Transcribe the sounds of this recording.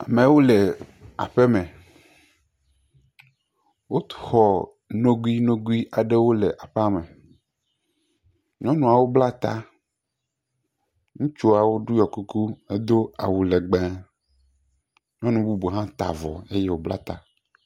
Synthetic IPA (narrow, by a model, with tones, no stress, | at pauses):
a˨me˨˦wo˦le˨a̰˨ɸe˦mẽ˨ | wo˦t̪xɔ˨ | nõ˦ɡu˦i˦nõ˦ɡu˦i˦ʔa˨ɖe˦wo˦le˨ʔa˨ɸa˦me˨ | ɲɔ̃˦nũ˦a˨wo˦bla˦t̪a˦ | ŋũ˦t͡ʃo˦a˨wo˦ɖu˦jɔ˨ku˦ku˦e˦d̪o˦a̰˨wu˨le˨ɡ͡bẽ˦ | ɲɔ̃˦nũ˦bu˦bu˨ɦã˦t̪a̰˨vɔ̰˨e˦je˦wo˦bla̰˦t̪a̰˦